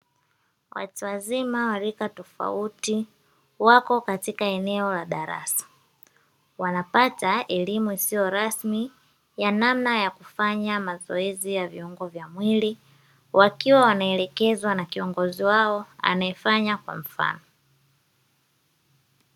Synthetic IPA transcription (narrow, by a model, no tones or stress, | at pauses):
wa̰tuwazimawalikatɔfa̰uti | wakɔkatikaɛnɛɔlaɗaɾa̰sḁ | wanapataɛlimuisijɔɾasmi | janamnajakufaɲamazɔɛzijaviuŋɡɔvjamwili | wʔakiwawanaɛlɛkɛzwanakiɔŋɡɔziwaɔa̰naɛfaɲakwa̰m̩fa̰nɔ